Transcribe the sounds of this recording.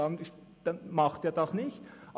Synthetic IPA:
ɑn | d̥ɑnmɑχteːɐdɑsnɪçtʔ

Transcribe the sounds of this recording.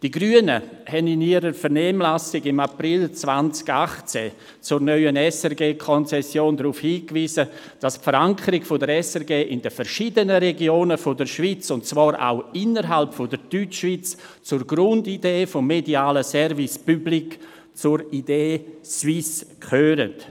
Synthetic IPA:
d̥iɡɾyənəhɛnɪniəɾəɾfəɾnɛːmlasɪɡɪmaprɪlt͡svant͡sɡ̥aχt͡sɛ̰ | t͡sʊɾnœʏənɛsɛɾɡeːkʰɔnt͡sɛsjoːndɾuːfhiːkviːzə | d̥aspfəɾaŋkʰəɾɪɡfʊdəɾɛsɛɾɡeːʔɪndəfəɾʃidənəɾɛɡjoːnəfodəɾʃvit͡sʊntt͡svaːɾʔa̰ʊɪnəɾɦalpfodəɾd̥yt͡ʃʃvit͡st͡sʊɾɡɾʊndideːfʊmːediaːləsɛɾvispyblik | t͡sʊɾideːsviskʰχøːɾə̰t

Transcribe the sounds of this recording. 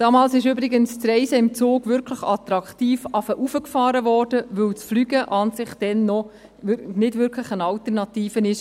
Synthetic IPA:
d̥ɑːmɑːlsɪʃʏbɾiɡənst͡sɾɛɪsəɪmt͡soːɡʋʏɾkʰləχɑt̪ɾɑktiːfɑfəʔufəkfɑːɾəʋɔːrd̥əʋɵwt͡sflyɡəʔɑːnsɪχd̥ɛnːɔ | nɪdʋʏɾkʰləχənɑltəɾnɑtiːfənɪʃ

